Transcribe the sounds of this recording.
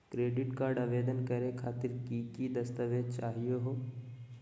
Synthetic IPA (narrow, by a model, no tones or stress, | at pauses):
kɾeːɖɪʈkaːɾɖaʋeːd̪ənkɐɾekʰaːt̪ɪɾkikid̪ɐst̪əʋet͡ʃaːɦijeɦoː